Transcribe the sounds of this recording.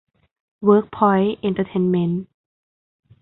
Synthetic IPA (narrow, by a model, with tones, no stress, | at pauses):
wəː˦˥k̚pʰɔ˧˥jʔe˧nt̪ʰə˧t̪ʰe˧nme˧˦˥n